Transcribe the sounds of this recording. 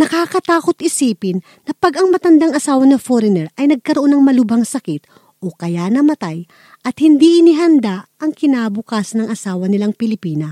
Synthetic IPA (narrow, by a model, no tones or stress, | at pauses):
nɐkaːkɐt̪aːko̞t̪ɪsiːpɪnːɐpɐɡɐŋmɐt̪ɐnd̪aŋɐsaːwɐnɐfoɾɛnɛɾʔɐjnɐɡ̚kɐɾoʔo̞nːɐŋmɐlʊbɐŋsɐkit̪̚ | ʔo̞kɐjanɐmɐt̪aj | ʔɐt̪hɪnd̪iʔɪniɦɐnd̪aʔɐŋkɪnaːbʊkasnɐŋʔɐsaːwɐnɪlaŋpɪlɪpiːnɐ